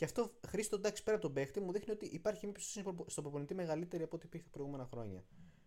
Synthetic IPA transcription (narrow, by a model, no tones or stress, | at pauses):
ceɐft̪o̞xɾist̪ond̪ɐksi̥pe̞ɾɐpot̪obe̞xt̪imuðixnio̞t̪iʔipɐɾçimɲɐpississt̪obɾoponit̪ime̞ɣɐlit̪e̞ɾiɐpoot̪ipiɾθepɾo̞ijɣume̞nɐxɾo̞̰ɲɐ̰